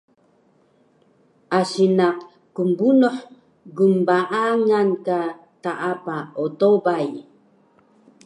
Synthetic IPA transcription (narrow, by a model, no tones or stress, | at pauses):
asinaʔ | kumbunɔħ | ɡumbaʔaŋanka | taʔapaɔtobaj